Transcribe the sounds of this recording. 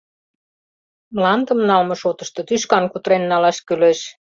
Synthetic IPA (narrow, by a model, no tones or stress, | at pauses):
mlɑnd̪ə̆mnɑlmɤ̆ʃot̪ə̆ʃt̪ɤ̆t̪yʃkɑnkut̪ɾenːɑlɑʃkyleʃ